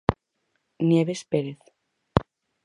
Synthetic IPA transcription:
njeβespeɾeθ

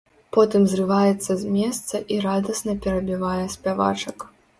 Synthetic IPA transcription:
pɔt̪ɨmzrɨvajɛt̪sːɐzʲmʲɛst̪sɐʔiɾad̪ɐsnɐpʲɛɾɐbʲivajɛsʲpʲava̰t͡ʂɐk

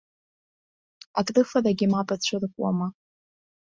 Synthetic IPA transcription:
akʼrɨfaraɡʲimapʼat͡ɕʷʰɨrkʷʼwa̰ma

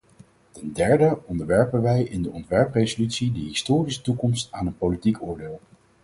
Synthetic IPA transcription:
tɛndɛɹdəɔndəɹʋɛɹpənʋɛjɪndəɔntʋɛɹprejzolytsidəɦɪstʊːrisə̥tukɔmstaːnənpowlitikʊːɹdɪːlˠ

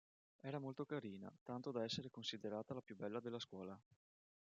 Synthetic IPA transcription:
ɛːɾamolt̪okaɾiːna̰t̪ant̪od̪aɛsːeɾekonsid̪eɾaːt̪alapjubːɛlːad̪elːaskwɔːla

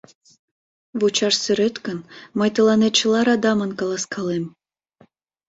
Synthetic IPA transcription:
βut͡ɕɑʃsyɾet̪kənməjt̪əlɑnet̪̚t͡ɕə̆lɑɾɑd̪ɑmənkɑlɑskʰɑlem

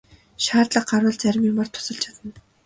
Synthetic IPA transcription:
ʃaːt̪ɮə̆q̚ɢarwə̆ɮt͡sæɾʲɪ̆mimar̥t̪ʰːʊ̥sə̆ɬt͡ɕʰḁt̪ə̆n

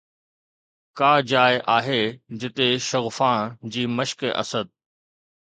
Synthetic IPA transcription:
kaːd͡ʑaːɪʔaːɦeːd͡ʑɪt̪eʃɐɣfaːɽ̃d͡ʑiːməʃkʔɐ̰səd̪̚

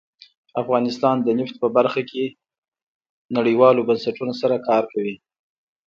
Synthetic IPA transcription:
afɣɑnɪst̪ɑnd̪ənɪft̪̚pəbaɾxakʰe | naɽəwɑlobansaʈunosaɾakɑɾkawi

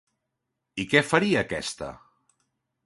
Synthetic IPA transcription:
ikɛfɐɾiəːkɛst̪ə̰

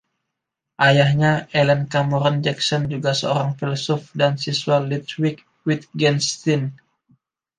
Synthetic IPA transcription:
ʔajahɲaʔelənkamɔɾɔnd͡ʒɛksɔnd͡ʒuɡasəoɾaŋfilɔsɔfdansisuwalːit̪wik̚ | wit̪̚ɡɛnst̪in

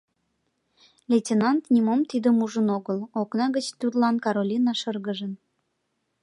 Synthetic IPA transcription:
lʲetʲenɑnt̪nʲimomt̪id̪əmuʒənoɣəloknɑɣət͡ɕt̪ud̪lɑnkɑɾolʲinɑʃərɣəʒən

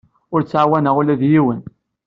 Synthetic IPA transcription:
ʊɾt͡sːʕawænəʁulæðjiwən

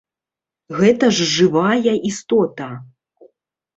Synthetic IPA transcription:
ɣɛt̪ɐʐʐɨvajɐʔist̪ɔt̪ɐ

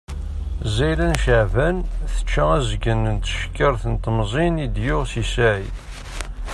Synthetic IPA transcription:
zæjlænʃaʕvænθə̥t͡ʃːaæzɡənənt̪ə̥ʃkːəɾθənt̪əmzˤinid̪joʁsisæj

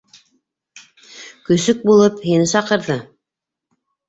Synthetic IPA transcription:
kɵ̆sɵk̚bulˠɤphinɘsɑqɤ̆ɾðɤ

